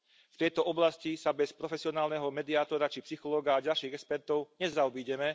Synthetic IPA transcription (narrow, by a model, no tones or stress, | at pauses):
ft̪ɛjt̪ɔʔɔblascisabɛspɾɔfɛsiɔnaːlnɛɦɔmɛd̪iaːt̪ɔɾat͡ʃipsixɔlɔːɡaːɟalʃiːɣɛkspɛɾt̪ɔʊɲɛzaɔbiːɟɛmɛ